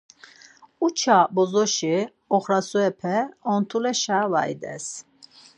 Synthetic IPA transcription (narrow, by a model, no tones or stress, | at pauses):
ut͡ʃʰabɔzɔʃi | ɔχɾasuɛpʰɛɔnt̪ʰulɛʃava̰ḭd̪ɛ̰s